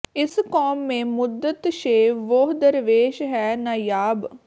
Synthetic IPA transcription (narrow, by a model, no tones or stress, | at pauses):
ɪskɔːmːẽːmʊd̪ət̪ʃeːʋoɦd̪əɾʋeːʃɦɛːnaːjaːb